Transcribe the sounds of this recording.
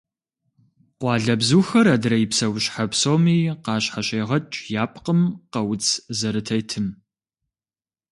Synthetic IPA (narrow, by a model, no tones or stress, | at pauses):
qʷɑːɮɐbzuːxɐɾɐdɾɐjipsɐwʊɕħapsoːmiːqɑːɕħaɕeːʁɐt͡ʃʼjaːpʰʼqəmqɐwʊt͡sʰzɐɾɨtʰɐjtʰɨm